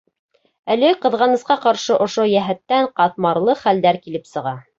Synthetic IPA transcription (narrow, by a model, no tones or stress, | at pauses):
ælɘqɤ̆ðʁɑnɤ̆sqɑqɑɾʃɤʔŏʃojæɦæt̪ːæɴqɑt̪̚mɑɾlˠɤχæld̪æɾkilɘpsɤ̆ʁɑ